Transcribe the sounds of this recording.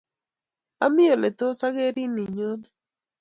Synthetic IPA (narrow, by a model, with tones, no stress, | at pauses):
a˦mɪ˦o˨le˨t̪o˦sa˦ɣe˦ɾi˦ni˨ɲo˦nɛ˦